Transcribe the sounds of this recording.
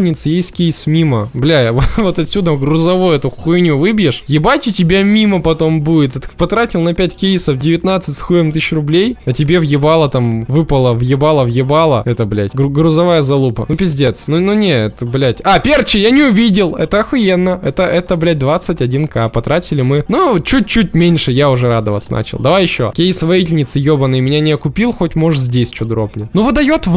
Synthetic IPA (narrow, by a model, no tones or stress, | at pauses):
nʲɪt̪sɨjejsʲkʲejsmʲiməblʲævovo̞t̪ɐt̪sʲud̪əɡrʊzɐvojʊɛt̪ʊxxʊɪnʲuvɨbʲjɪʂjɪbatʲɪtʲɪbʲamʲiməpɐt̪o̞mbuɪt̪t̪pɐt̪ɾatʲɪlˠnɐpʲætʲkʲejsəfdʲɪvʲɪt̪nat̪sɨtʲsxujɪmt̪ɨɕrʊblʲejɐtʲɪbʲevjɪbalˠət̪amvɨpəlˠəvjɪbalˠəvjɪbalˠə̰ɛt̪əblʲæ̰tʲɡrʊzɐvajəzɐlˠupə̰nupʲɪzʲdʲet̪snununʲeɛt̪əblʲætʲapʲert͡ɕɪjanʲɪʊvʲidʲɪlˠɛt̪əɐxʊjenːəɛt̪əʔɛt̪əblʲæt̚ʲd̪vat̪sːɨtʲɐdʲinkapɐt̪ɾatʲɪlʲɪmɨnut͡ɕut̚ʲt͡ɕut̚ʲmʲenʲʂɨjaʊʐɛɾad̪əvə̰t̪sə̰na̰t͡ɕɪ̰lˠd̪ɐvajɪɕːo̰kʲejɪsvɐitʲɪlʲnʲɪt̪sɨjobənːɨəjmʲɪnʲanʲɪɐkʊpʲilˠxotʲmo̞ʐzʲdʲesʲt͡ɕod̪ɾopnʲɪnuvɨd̪ɐjot̪v